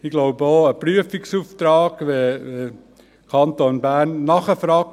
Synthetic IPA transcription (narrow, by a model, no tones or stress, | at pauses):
iɡ̥loʊbəoːəpryəfiksuft̪ɾɑːɡ̥ʋeʋe | kʰɑnt̪oːnbænːɑχəfɾɑːk̚